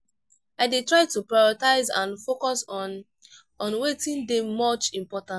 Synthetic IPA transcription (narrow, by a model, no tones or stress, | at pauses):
aɪdetɹaɪtupɹajɔɹtaɪzãnfokɔsɔ̃n | ɔ̃nwetĩndemɔt͡ʃĩmpɔtãn